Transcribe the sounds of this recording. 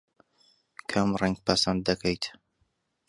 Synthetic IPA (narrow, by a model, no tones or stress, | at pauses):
kʰamrɛŋɡ̚pʰɐsɐnd̪̚d̪ɐkʰejt̪